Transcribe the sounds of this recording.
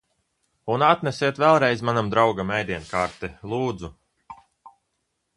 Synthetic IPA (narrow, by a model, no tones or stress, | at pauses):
unat̪nesiɛt̪vɛlˠɾɛjzmanamd̪ɾawɡamɛjd̪iɛnkaːɾt̪ɛlˠuːd̪zu